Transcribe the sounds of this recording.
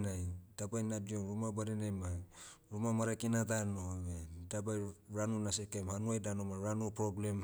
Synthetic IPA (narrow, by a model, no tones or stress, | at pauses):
najdabajnadioɾumabaɾenajma | ɾumamaɾakinatanoβedabajɾanunasekamhanuajdanomaɾanupɾoblem